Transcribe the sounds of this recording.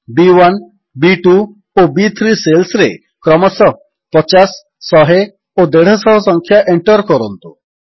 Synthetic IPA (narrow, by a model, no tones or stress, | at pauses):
biwan | biʈu | obit̪ʰɾiselsɾe | kɾɔmɔsɔ | pɔt͡ʃasː | ɔɦe | od̪eɽ̤ɔsɔɦɔsɔŋkʰjaʔeɳʈɔɾkɔɾɔnt̪u